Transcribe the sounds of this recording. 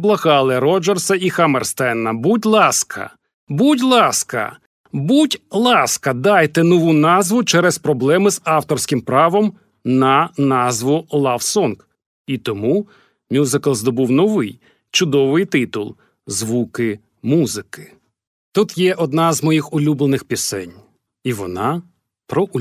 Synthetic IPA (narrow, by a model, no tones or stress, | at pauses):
blˠɐɣɑlˠɪɾɔd͡ʒersɐixɐmerst̪ɛnːɐbutʲlˠɑskʰɐ̰ | butʲlˠɑskɐ̰ | butʲlˠɑskɐd̪ɑjt̪ɛnɔʋunɑzʋʊt͡ʃɛɾɛspɾɔblˠɛmɪzɑwt̪ɔrsʲkɪmpɾɑʋɔm | nɐnɑzʋʊlˠɑwsɔnk | it̪ɔmu | mʲuzɪkɐlˠzd̪ɔbuwnɔʋɪj | t͡ʃʊd̪ɔʋɪjt̪ɪt̪ʊlˠ | zʋukɪ | muzɪkɪ̥ | t̪ut̪jɛʔɔd̪nɑzmɔjixʊlʲublˠenɪxpʲisɛ̰nʲ | iʋɔnɑ | pɾɔ